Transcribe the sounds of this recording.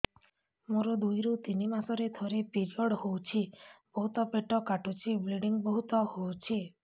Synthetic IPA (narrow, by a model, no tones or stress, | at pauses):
moɾɔd̪ujɾut̪inimasɔɾet̪ʰɔɾepiɾiɔɽhowt͡ʃʰib̥ɔɦut̪ɔpeʈɔkaʈut͡ʃʰibliɖiŋbɔɦut̪ɔhowt͡ʃʰi